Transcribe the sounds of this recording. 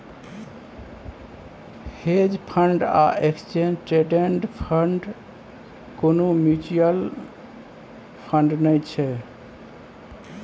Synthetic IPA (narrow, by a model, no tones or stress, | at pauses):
hed͡ʒpʰəɳɖa̰ʔekst͡ʃenʈɾeɖeɳʈpʰəɳɖ | konomud͡ʒiəl | pʰəɳɖnəjt͡ʃʰɛ